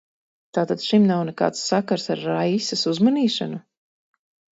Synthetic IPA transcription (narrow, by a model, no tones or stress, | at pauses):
t̪aːt̪ad̪̥ʃimnawnɛka̰ːt̪sːakaɾsaɾːajsasuzmaniːʃa̰nu